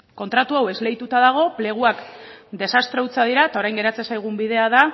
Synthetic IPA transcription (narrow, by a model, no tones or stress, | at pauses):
ko̞nt̪ɾat̪uawe̞zle̞jt̪ut̪aðaɣ̞o̞ple̞ɣ̞uakd̪e̞sast̪ɾeut͡sað̞iɾaet̪ao̞ɾajŋɡe̞ɾat͡sesajɣ̞umbiðe̞aða